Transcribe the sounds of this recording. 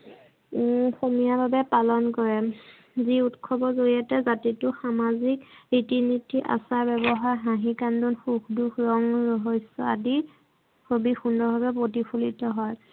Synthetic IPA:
somijababɛpalɔnkɔɹɛ | ziutkʰɔbɔzoɹiatɛzatitʊxamazikɹitinitʰːiʔa̰saɹbɛbɔɦaɹɦãɦikandunxukdukʰɹɔŋɹɔɦɔsɔa̰di | kobixundɔbʱabɛp̬ɹotipʰulitɔɦɔj

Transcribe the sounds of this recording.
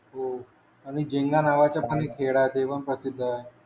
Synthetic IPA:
ɦo | aɽ̃id͡ʑeŋɡanaʋat͡ɕjapənekʰeɽat̪eʋəɳpɾəsid̪ʱːaɦe

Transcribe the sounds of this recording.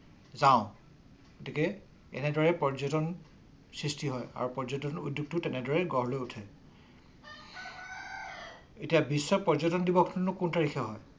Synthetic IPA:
zaʊ̃ | ɡotikɛ | ɛ̰nɛdɔɹɛpɔɹzɔtɔn | sɹistiɦɔja̰ɹupɔɹd͡ʒɔtɔnudjuɡ̚tʊtɛnɛdɔɹɛɡɔɦlojutʰɛ | etijabisːɔpɔzɔtɔndibɔkʰnɔnʊkuntaɹikʰɛɦɔj

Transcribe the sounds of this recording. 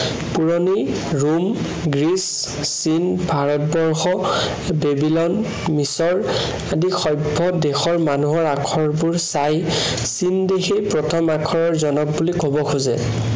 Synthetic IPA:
puɹɔni | ɹum | ɡɹis | sinbʱaɹɔt̚bɔɹxɔ | bebilɔn | misɔɹ | adixɔjbʱːɔdexɔɹmanuɦɔɹakʰɔɹbuɹsaj | sindexejpɹɔtʰɔmakʰɔɹɔɹzɔnɔk̚bulikɔbɔkʰuzɛ̰

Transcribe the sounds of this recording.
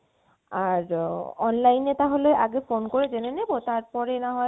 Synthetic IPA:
aɾɔnlajnet̪aɦolejʔaɡefonkoɾed͡ʑenenebot̪aɾpɔɾenaɦɔe

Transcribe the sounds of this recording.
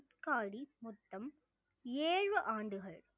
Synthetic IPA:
t̪kaːɽimʊt̪ːɐm | eːɻʋɯʔaːɳɖɯɣɐɭ

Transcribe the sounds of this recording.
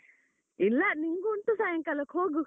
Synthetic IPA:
ilːaniŋɡunt̪usajɐ̃ŋkɐlɐkʰhoːɡu

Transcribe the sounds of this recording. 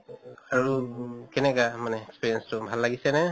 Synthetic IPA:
aɹukɛnɛɡamanɛːkspiɾijɛnstɔbʱalːaɡisɛna

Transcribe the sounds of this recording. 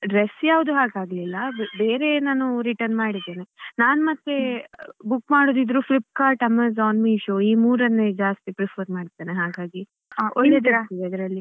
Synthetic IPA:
ɖɾesjaːʋud̪uɦaːɡaːɡlilːɐbeːɾe̞naːnuɾiʈɐɾnmaːɽid̪ːeːnenaːnmɐt̪ːe̞bukːmaːɽoːd̪id̪ɾupʰlip̚ːkaːɾʈɐmːɐzaːnmiʃoːiːmuːɾɐnːed͡ʒaːst̪ipɾipʰɐɾmaːɽid̪ːeːneɦaːɡaːɡi | oɭːed̪t̪iʋeɐd̪ɾɐlːi

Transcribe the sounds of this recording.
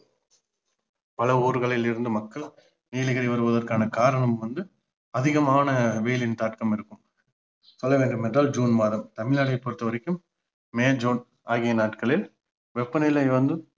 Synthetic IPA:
pɐlɐuːɾɣɐɭɪlɪɾɯnd̪ɯmɐkːɐɭ | niːlɐɣɐɽɐʋɐɾɯʋɐðɐrkaːnɐkaːɾɐɳɐmʋɐnd̪ɯ | ɐðɪɣɐmaːnɐʋeːlɪnt̪aːʈkɐmɪɾɯkːɯm | sɔlːɐʋeːɳɖɯmɛndraːld͡ʒuːnmaːðɐmt̪ɐmɪɭnaːɽɐɪpːɔɾɯt̪ːɐʋɐɾɛkːɯmː | eːd͡ʒoːn | aːɣɪjɐnaːʈkɐɭɪl | ʋɛpːɐnɪlɐɪʋɐnd̪ɯ

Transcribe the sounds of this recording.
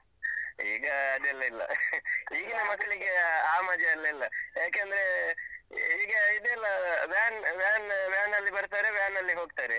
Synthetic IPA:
ḭːɡɐːd̪ɛlːɐilːɐ̰iːɡɐmɐkːɐɭiɡeaːmɐd͡ʒjeɐlːɐilːɐjaːkeɐnd̪ɐɾe | iːɡɐid̪eːlːɐʋjaːnʋjaːnʋjaːnɐlːibɐɾt̪aːɾeʋjaːnːɐlːiɦo̞ːɡ̚t̪aːɾe

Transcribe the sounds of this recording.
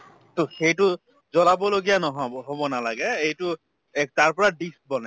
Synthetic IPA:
tʊxejtʊ | zɔlabɔloɡijanɔɦɔɦobɔnalaɡɛejtʊ | taɹpɔɹadisk̚bɔnɛ

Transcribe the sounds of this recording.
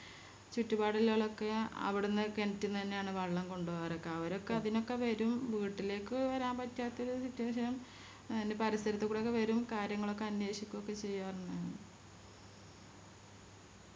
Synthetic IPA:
t͡ɕutːubaːɽilːoːɭo̞kːe̞ɐ̰ʋiɽunːɨkenɐtːunt̪ɐnːejaːɳɨʋɐɭːɐmko̞ɳɖuʋoɣɐɾo̞kːe̞ɐʋɐɾo̞kːeɐðino̞kːe̞ʋɐɾumʋiːʈːile̞ːkːɨʋɐɾaːmpɐtːaːt̪ːɐoɾusitːuwɐʂ̬ɐnum | ɐnːepɐɾist̪ɐɾɐt̪ːekuːɽeo̞kːe̞ʋɐɾumkaːɾjɐŋːɐɭo̞kːe̞ɐnwe̞ːɕikʲːumokːe̞t͡ɕe̞jːaːrunːɨ

